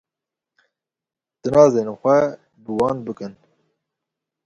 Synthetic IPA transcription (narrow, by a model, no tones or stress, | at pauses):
d̪̥ɨnɑːzeːnxʷɛ | bɨwɑːnbɨkɨn